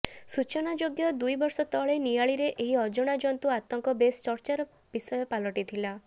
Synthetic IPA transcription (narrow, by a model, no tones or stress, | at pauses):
sut͡ʃɔnad͡ʒoɡjɔd̪ujbɔɾsɔt̪ɔɭenijaɭiɾeʔʔeɦiɔd͡ʒɔɽ̃ad͡ʒɔnt̪uat̪ɔŋkɔbest͡ʃɔɾt͡ʃaɾɔ | b̥isɔjɔpalɔʈit̪ʰila